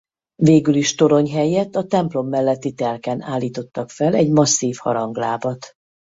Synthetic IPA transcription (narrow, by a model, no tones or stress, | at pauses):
veːɡyliʃt̪o̞ɾo̞ɲɦɛjɛt̪ːɒt̪ɛmplo̞mːɛlːɛt̪ːit̪ɛlkɛnaːlːiːt̪o̞t̪ːɒkfɛlɛɟmɒsːiːfhɒ̰ɾɒŋɡlaːbɒt̪